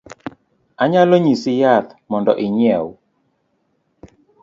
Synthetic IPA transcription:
aɲaloɲisɪjat̪mɔndɔ̰ʔɪɲɛw

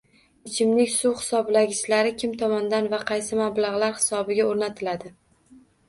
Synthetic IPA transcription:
ɪt͡ʃʰɪmnɪkʲsuwχɪ̥sɒblaɡʲɪʃlaɾɪkʲʰɪmt̪ʰɒmɒnd̪anvaqʰɑjsɪmablaʁlˠaɾhɪ̥sɒbɪɡʲaoɾnat̪ʰɪlad̪ɪ

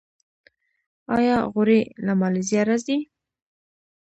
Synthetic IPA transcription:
ɑjɑɣʊɾelamɑlizjɑɾazd̪i

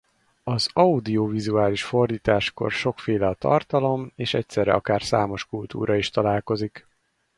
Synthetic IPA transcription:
ɒzɒud̪iovizuaːliʃfo̞rd̪iːt̪aːʃko̞̰rʃokfeːlɛɒt̪ɒ̰rt̪ɒlo̞meːʃɛc̚sɛɾɛ̰ɒkaːrsaːmo̞ʃkult̪ṵːɾʔɒiʃt̪ɒlaːlko̞zik

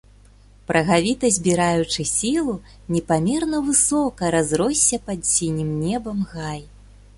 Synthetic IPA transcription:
pɾʔɐɣavʲit̪ɐzʲbʲiɾajut͡ʂɨsʲilˠu | nʲɛpamʲɛrnɐvɨsɔkɐɾazɾɔsʲːɐpad̪sʲinʲimnʲɛbɐmɣaj

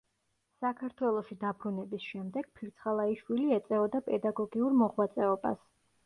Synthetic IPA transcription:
sakʰaɾt̪ʰwɛlˠɔʃid̪abɾunɛbisʃɛmd̪ɛɡ̥̚pʰiɾt̪sʰχalˠaiʃwiliɛt̪sʼɛvɔd̪apʼɛd̪aɡɔɡiuɾmɔʁwat̪sʼɛɔba̰s

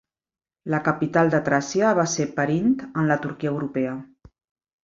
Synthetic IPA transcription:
ləkəpit̪alˠd̪ət̪ɾasiəβasepəɾint̪ənlət̪uɾkiəəwɾupɛə

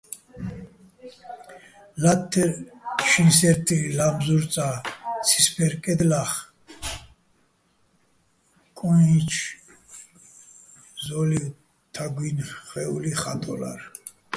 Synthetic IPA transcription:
lat̪ʰːɛɾʃinsɛɾt̪ʰʼilamzuɾt͡sʼat͡sʰi̥spʰɛɾkʼɛd̪laχ | kʼɔit͡ʃʰ | zɔliw | t̪ʰaɡwinχɛuliχat̪ʼɔ̰la̰ɾ

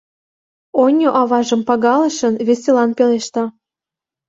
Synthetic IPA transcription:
onʲoʔɑβɑʒə̆mpɑɣɑlə̆ʃə̆nβesʲelɑnpeleʃt̪ɑ

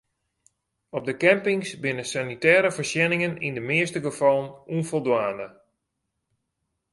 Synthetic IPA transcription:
ɔp̚dəkɛmpɪŋsbɪnəsanitɛːɾəfərsjɛnɪŋənḭndəmɪəstəɡəfɔlˠənunfolˠdwaːnə

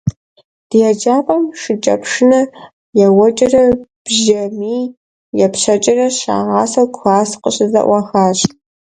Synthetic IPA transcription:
d̥jɛd͡ʒaːpʼɐmʂɨt͡ʃʼɐ̰pʰʂɨnɐ | jɛwɐt͡ʃʼɪrɐb̥ʒɐmiː | jɛpɕɐt͡ʃʼɪrɐɕa̰ːʁɑːsɐwɡʷxaːsqəɕɨzɐ̰ʔʷɑxaːɕ

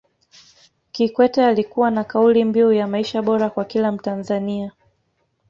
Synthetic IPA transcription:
kikwɛtɛalikuwanakaulimbiujamaiʃaɓɔɾakwakilam̩tanzania

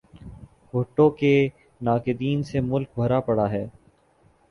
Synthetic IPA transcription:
ɦoʈːõke | naːkɪd̪iːnsemʊlk̚bʱɐɾapɐɽaɦɛː

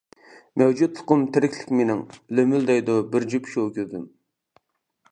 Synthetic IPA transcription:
mɛwd͡ʒut̪̚fʰʊ̥qʊmt̪ʰɪɾɪkʲʰlɪ̥kʲmenɪŋlømyld̪ɛjd̪ubɪɾd͡ʒypʃokʲød̪ɪm

